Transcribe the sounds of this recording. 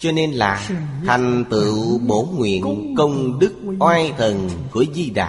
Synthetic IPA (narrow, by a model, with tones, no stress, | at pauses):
t͡ɕɔ˧ne˧nlaː˨˩t̪ʰa˨˩jŋ̟t̪ɨ̰˧˨ɓo˨˦nŋwḭ˧˨ənnkə˧wŋ͡mɗɨ˦˥k̚ʔwaː˧jt̪ʰə˨˩nku˧˩˦əzi˧ɗa̰ː˨˩